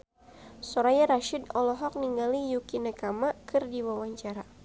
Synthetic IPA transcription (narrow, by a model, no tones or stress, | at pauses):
sɔɾajaɾaʃidɔlɔɦɔk̚niŋɡalijukinakamakʰɨrdiwawaɲt͡ʃaɾa